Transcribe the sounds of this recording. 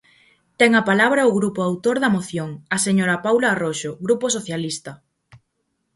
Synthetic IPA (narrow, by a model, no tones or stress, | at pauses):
t̪ɛŋɐpalaβɾɐʊɣɾupoawt̪oɾðɐmoθjoŋɐseɲoɾɐpawlaːroʃoɣɾupos̬oθjalist̪ɐ